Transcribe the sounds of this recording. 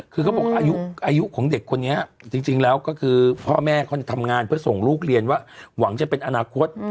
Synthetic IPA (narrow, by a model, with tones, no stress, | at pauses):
kʰɯː˧kʰa˦˥wbɔ˨˩k̚wʔaː˧ju˦˥ʔʔaː˧ju˦˥ʔkʰɔː˩˦ŋde˨˩kʰːo˧nːi˦˥ɐt͡ɕi˧ŋt͡ɕi˧ŋlɛː˦˥wkɔː˥˩kʰɯː˧pʰɔː˥˩mɛː˥˩kʰa˦˥˩t͡ɕa˨˩t̪ʰa˧mŋaː˧npʰɯ˥˩ɐso˨˩ŋɾuː˥˩k̚ɾi˧ənwaː˥˩wa˩˦ŋt͡ɕa˨˩pe˧nʔa˧naː˧kʰo˦˥t̪̚